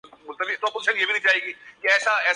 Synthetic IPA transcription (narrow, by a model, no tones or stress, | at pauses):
mʊlt̪əbiːt̪oɐpoːzɪʃənjeːbiːnəĩːt͡ʃaːɦeːɡiːkeɛːsaɛː